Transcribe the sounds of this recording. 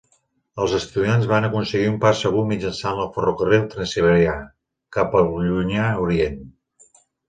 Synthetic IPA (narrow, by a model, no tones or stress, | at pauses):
əlˠzəst̪uðianzβanəkunsəɣiumpasːəɣ̞umid͡ʒənsanəlˠfərukərewt̪ɾənsiβ̞əɾia | kapəlʎuɲauɾien